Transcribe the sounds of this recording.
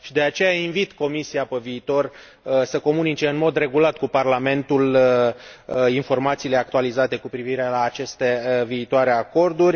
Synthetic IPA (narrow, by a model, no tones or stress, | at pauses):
ʃid̪e̞at͡ʃe̞jainvit̪ko̞misiapeviːt̪o̞r | səko̞munit͡ʃe̞ɨnmo̞d̪re̞ɡulat̪kuparlame̞nt̪ul | info̞rmat̪siːle̞ak̚t̪ualizat̪e̞kupɾiviɾe̞laːt͡ʃe̞st̪e̞viːt̪oaɾe̞ako̞rd̪urʲ